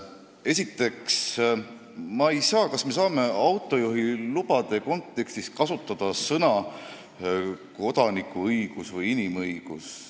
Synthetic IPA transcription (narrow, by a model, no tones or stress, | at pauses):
e̞sit̪ːe̞ks | mɑejsɑːkɑsme̞s̬ɑːme̞ɑwt̪ːˑo̞juɦilub̥ɑd̪̥e̞ko̞nt̪ːe̞kst̪iskɑsut̪ːˑɑd̪̥ɑsɤnɑ | ko̞d̪̥ɑnikːˑuɯjɡ̥usvɤjinimɤjɡ̥us